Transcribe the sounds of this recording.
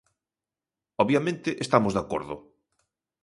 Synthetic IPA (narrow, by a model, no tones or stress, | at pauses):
ɔβjamẽnt̪ɪʔest̪amozðako̰ɾðʊ̰